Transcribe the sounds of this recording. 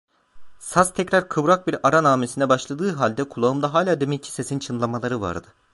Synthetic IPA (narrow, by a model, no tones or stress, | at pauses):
sast̪ʰɛcɾaɾkʰɯvɾak̚biɾaɾanaːmesinɛbaʃlˠad̪ɯːɦalʲd̪ɛkʰulˠaɯmd̪aɦaːlʲaːd̪emɛcʰi̥sesint͡ʃʰɯnlˠamalˠaɾɯva̰ɾd̪ɯ